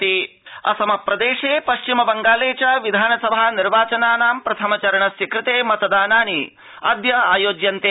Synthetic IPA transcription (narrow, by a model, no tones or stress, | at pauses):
i | ɐ̰sɐmɐpɾɐd̪eːʂeːpɐʃt͡ʃimɐbɐŋɡaːleːt͡ʃɐʋid̪ʱaːnɐsɐbʱaːniɾʋaːt͡ʃɐnaːnaːmpɾɐt̪ʰɐmɐt͡ʃɐɾɐɳɐsjɐkɾɪt̪eːmɐt̪ɐd̪aːnaːni | ɐ̰d̪jɐaːjoːd͡ʒjɐnt̪eː